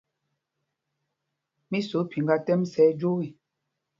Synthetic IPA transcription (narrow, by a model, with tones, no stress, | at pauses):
mi˦so˨˦pʰi˨ŋɡa˦tɛ˦msɛ˦d͡ʒo˦wi˦˨